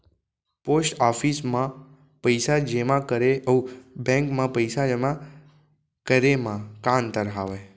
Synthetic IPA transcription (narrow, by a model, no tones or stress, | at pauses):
posʈafismã | pəjsad͡ʒemãkəɾeubɛ̃ŋkmãpəjsad͡ʒemã | kəɾemãkãnt̪əɾɦaʋe